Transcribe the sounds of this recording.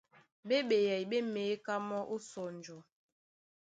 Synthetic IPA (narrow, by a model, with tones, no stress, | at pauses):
be˦ɓe˨jɛ˨jɓe˦me˨˦ka˦mɔ˦ʔo˦sɔ˨n˨d͡ʒɔ˨